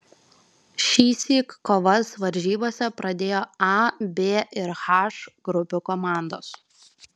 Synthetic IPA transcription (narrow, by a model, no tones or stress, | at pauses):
ʃʲiːsʲikːoːʋɐsʋɐɾʲʒʲiːboːsʲɛpɾɐd̪ʲeːjoːɑbʲeːɪɾxɑʃɡɾʊpʲukɔmɑˑnd̪oːs